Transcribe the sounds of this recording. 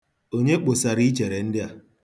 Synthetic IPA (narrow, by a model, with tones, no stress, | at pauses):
o˦ɲe˦k͡po˨sa˨ɾi˦d͡ʒe˨ɾe˨n̩˦dɪ˦a˨